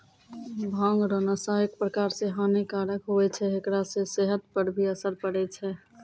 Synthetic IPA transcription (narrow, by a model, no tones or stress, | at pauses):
bʱãŋɡɾənasaək̚pɾəkaɾsẽɦanekaɾəkɦoɛt͡ʃʰɛɦekɾasẽseɦət̪̚pəɾbʱiəsəɾpəɽɛt͡ʃʰɛ